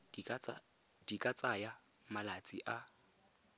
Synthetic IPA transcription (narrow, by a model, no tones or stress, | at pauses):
d̥ikʼat͡sʼaja | malat͡sʼḭʔa